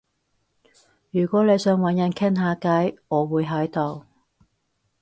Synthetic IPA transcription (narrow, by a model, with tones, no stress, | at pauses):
jyː˨˩kʷɔː˨˥le˨˧jsœː˨˥ŋwɐ˨˥njɐ˨˧nkʰɪ˥ŋɦaː˨˧kɐ˨˥jŋɔː˨˧wuː˨˧jɦɐ˨˥jt̪o˨w